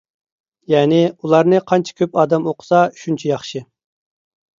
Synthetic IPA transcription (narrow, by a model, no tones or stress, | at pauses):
jɛːnɪulˠɑɾnɨqʰɑnt͡ʃʰɪ̥kʲʰøpɑːd̪ɛmoqʰʊ̥sɑʃunt͡ʃʰɛjɑχʃɨ